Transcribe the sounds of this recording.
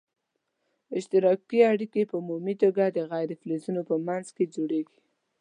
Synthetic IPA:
ɪʃt̪ɪɾɑkiaɽikepəumumit̪oɡad̪əɣajɾɪflezunopəmanzked͡ʒoɽeɡi̥

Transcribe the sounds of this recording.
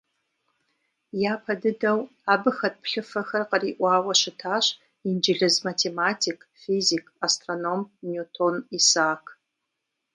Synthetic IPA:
jaːpʰɐdɨdɐw | abɨxɐt̚pʰɬɨfɐxɐrqəriʔʷaːwɐʃɨtʰaːʃ | ind͡ʒɪɮɨzmatʰematʰikʰʼfizikʰʼastronomnjutʰonisaːkʰ

